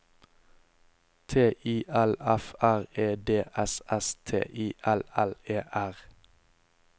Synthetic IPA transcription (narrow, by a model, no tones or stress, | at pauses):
t̪ʰeːʔiːʔælæfæʁeːd̪eːʔɛsɛst̪ʰḛːʔiːʔælæleːʔæʁ